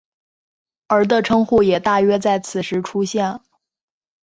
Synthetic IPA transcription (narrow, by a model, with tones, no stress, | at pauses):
ə˞˧˥t̪ə˥˧ʈ͡ʂʰɤ˥ŋxu˥˩jɛ˨˩t̪a˥˩ɥɛ˥t͡sa˥˩ɪt͡sʰɹ̩˨˩ʂɻ̩˧˥ʈ͡ʂʰu˥ɕjɛ˥˩n